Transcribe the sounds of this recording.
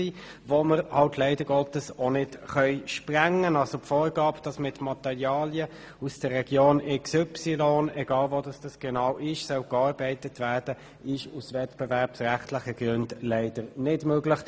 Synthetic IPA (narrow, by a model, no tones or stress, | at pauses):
i | voməɾhɑltʰlɛɪdəɡɔtəsɔnɪtχœʏʃpʁæŋənɑlsopfoːɾɡɑːpd̥ɑsmɪtmɑtɛʁjɑːliə | usd̥əʁːɛɡ̥joːnɛksʏpsilɔnɛɡɑːlvodɑsd̥ɑsɡ̥ɛnɑʊʔɪʃsœwkɑːʁbɛɪtətʰvæːʁd̥ə | ɪʃusvɛtb̥ɛvæʁpsʁæχtlɪχəɡ̥ʁʉndlæɪd̥ənɪdmøːɡlɪχ